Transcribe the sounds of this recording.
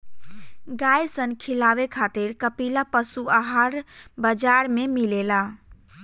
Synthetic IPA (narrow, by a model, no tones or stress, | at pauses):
ɡajsənkʰilaʋekʰat̪iɾkəpilapəsuaɦaɾbəd͡ʒaɾmemilela